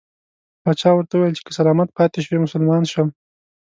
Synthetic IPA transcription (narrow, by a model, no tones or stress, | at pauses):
bɑt͡ʃɑwəɾt̪awuwejlt͡ʃe̥kə̥salɑmat̪̚pɑt̪eʃwemʊsʊlmɑnʃəm